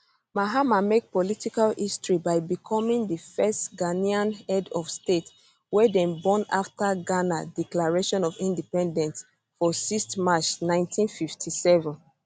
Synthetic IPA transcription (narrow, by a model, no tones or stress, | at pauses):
maɦamamek̚pɔlitikalistɹibaɪbikʰɔmĩŋðəfɛstɡaniãnhɛdɔfstet | wɛdɛ̃nbɔ̃na̰ftaɡanadiklaɹeʃɔ̃nɔvĩndipɛ̃ndɛ̃nts | fɔsistmat͡ʃnãɪ̃ntʰĩnfiftʰisɛvɛ̃n